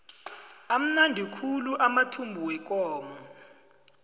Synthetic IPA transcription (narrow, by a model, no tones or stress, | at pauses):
am̩nandʱikʰuluʔamatʰumbʱuwɛk̬ʼɔːmɔ